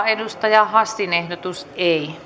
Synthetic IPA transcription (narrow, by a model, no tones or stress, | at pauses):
enust̪ɑjɑhɑsːinehdot̪usei